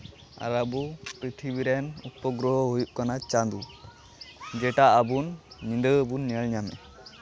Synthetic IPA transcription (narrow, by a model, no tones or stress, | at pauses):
a̰ɾabupɾit̪ʰibiɾɛnupɔɡɾɔɦɔɦujuʔkanat͡ʃand̪u | d͡ʒɛʈaʔabunːind̪əːbunːiəɭɲamɛ̰